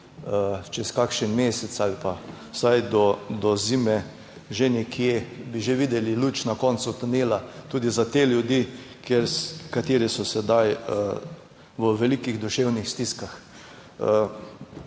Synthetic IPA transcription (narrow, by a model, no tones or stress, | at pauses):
ət͡ʃɛskakʃənmeːsɛt̪salipa | sajd̪ɔd̪ɔziːmɛ | ʒenɛkʰijebiʒeʋid̪ɛliluːt͡ʃnakɔnt̪sut̪uneːlat̪uːd̪izat̪eːljud̪ikʰeɾkat̪eːɾisɔsɛd̪ajə | ʋəʋɛlikiɣd̪uʃewnixst̪iskax | ə